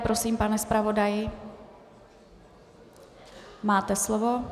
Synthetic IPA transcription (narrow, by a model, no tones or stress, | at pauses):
pɾo̞siːmpanɛspɾavo̞dajɪ | maːt̪ɛslovo̞